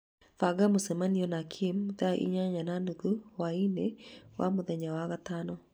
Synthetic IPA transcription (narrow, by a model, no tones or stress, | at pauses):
faɡamosɛmaniɔnakʰimðaʔḭɲaɲanandukuwainewa̰moðɛɲawaɣatanɔ